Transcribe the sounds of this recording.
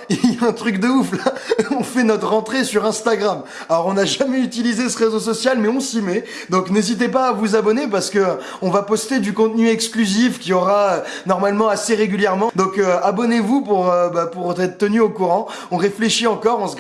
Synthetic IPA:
iljaɛ̃t̪χykd̪əuflaɔ̃fɛnɔt̪χʁɑ̃t̪χesyʁɛ̃st̪aɡʁam | alɔʁɔ̃naʒamɛyt̪ilizesəʁezosɔsjalmɛɔ̃simɛ | d̪ɔ̃knezit̪̬epaːvuzabɔnep̬aʁsə̥kə | ɔ̃vapɔst̪ed̪ykɔ̃t̪nyɛksklyzifkʲiɔʁaønɔʁmalmɑ̃aseʁeɡʲyljɛʁmɑ̃d̪ɔ̃køabɔnevupuʁøbapuʁtɛt̪χət̪ənyokuʁɑ̃ | ɔ̃ʁefleʃiɑ̃kɔʁɑ̃s

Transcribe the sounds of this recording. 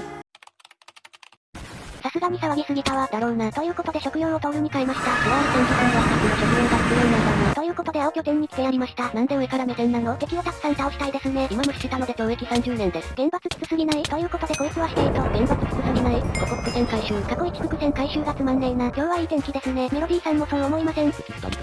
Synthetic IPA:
sasɨɡaɲ̟isaβaɡʲisɨɡʲit̪aβad̪aɾo̞ɯnat̪o̞jɯ̟ːko̞t̪o̞d̪e̞ɕo̞kɯ̟jõːɰ̃o̞t̪oɾɯ̟ɲ̟ikaimaɕi̥t̪asiɾaβanot̪ẽɲ̟d͡ʑikãnɡaakɯnoɕo̞kɯ̟jõŋɡat͡sɨ̥kɯjoːnaat̪o̞jɯ̟ːko̞t̪o̞d̪e̞aokʲo̞ɡ̪ẽ̞ɲ̟ːikʲi̥d̪e̞jaɾʲimaɕi̥t̪anãnd̪ẽ̞ɰ̃ekaɾamed̪ẽ̞nːanok̪e̞kʲiot̪akɯ̟̥sãnt̪ao̞ɕi̥t̪aid̪e̞sɨne̞imamoɕi̥t̪et̪ano̞d̪e̞d͡ʑo̞ːe̞kʲisãɲ̟d͡ʑɨːnẽ̞nd̪e̞sɨ̥ɡ̥ẽ̞mbat͡sɨt͡sɨ̥t͡sɨsɨɡʲinait̪o̞jɯ̟ːko̞t̪o̞d̪e̞ko̞jokɯ̟βaɕi̥t̪eit̪o̞ɡ̥ẽ̞mbat͡sɨ̥t͡sɨ̥t͡sɨsɨɡʲinaiɡokoko̥kɯ̟sẽ̞ŋkaiɕɨːkako̞it͡ɕi̥kokɯ̟sẽ̞ŋkaiɕɨːɡat͡sɨmãnːẽ̞ŋɡakʲo̞ːβaiːt̪ẽ̞ŋkʲid̪e̞sɨne̞me̞ɾo̞d̪ʲiːsãmːo̞sonoːmo̞imasẽ̞ɴ̰

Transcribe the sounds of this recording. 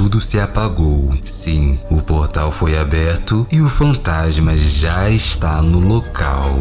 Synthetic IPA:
ud̪ʊsɪapaɡowsĩʊpoɾt̪awfojabɛɾt̪ʊɪʊfɐ̃nt̪azmɐʒaest̪anʊlokʰa̰w

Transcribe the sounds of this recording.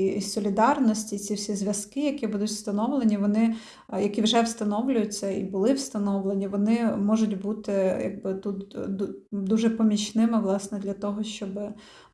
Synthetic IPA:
isɔlʲid̪ɑrnɔsʲtʲit͡sʲiwsʲizʲʋʲjɐskɪjɐkʲibud̪ʊtʲwst̪ɐnɔʋlˠenʲiʋɔnɪ | jɐkʲiʋʒɛwst̪ɐnɔwlʲʊjʊt͡sʲːɐḭbʊlˠɪwst̪ɐnɔʋlˠenʲiʋɔnɪmɔʒʊtʲbut̪ɪjɐ̰ɡ̚bɪt̪ut̪ | d̪uʒɛpɔmʲit͡ʃnɪmɪʋlˠɑsnɛd̪lʲɐt̪ɔɦɔʃt͡ʃɔbɪ

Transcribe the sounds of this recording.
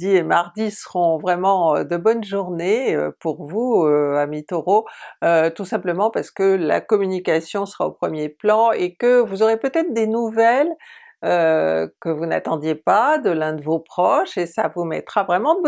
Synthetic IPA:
d̪iemaʁd̪isəʁɔ̃vʁɛmɑ̃ød̪əbɔnʒuʁneø̰puʁvuøamit̪ɔʁoøt̪usɛ̃pləmɑ̃paʁsə̥kəla̰kɔmynikasjɔ̃sə̥ʁaopχəmjeplɑ̃ekəvuzɔʁepøt̪ɛt̪χd̪enuvɛl | økəvuna̰t̪ɑ̃d̪jepad̪əlɛ̃d̪əvopχɔʃesavumɛ̰t̪χavʁɛmɑ̃d̪ə

